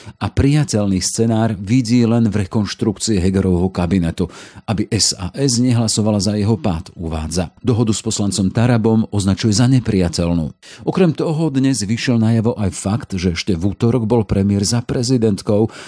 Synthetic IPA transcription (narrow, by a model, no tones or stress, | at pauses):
apɾijacɛlnist͡sɛnaːɾʋiɟiːlɛnvɾɛkɔnʃt̪ɾukt͡siɛɦɛɡɛɾɔʋɦɔkabinɛt̪uʔabiʔɛsa̰ːʔɛzɲɛɦlasɔʋalazajɛɦɔpaːt̪uʋa̰ːd͡za̰d̪ɔɦɔd̪uspɔslant͡sɔmt̪aɾabɔmɔznat͡ʃujɛzaɲɛpɾijacɛlnṵːʔɔkɾɛmt̪ɔɦɔd̪ɲɛzʋiʃɪjɛlnajaʋɔʔajfakt̪ʒɛɛʃcɛvut̪ɔɾɔɡbɔlpɾɛmɪɛɾzapɾɛzid̪ɛnt̪kɔʊ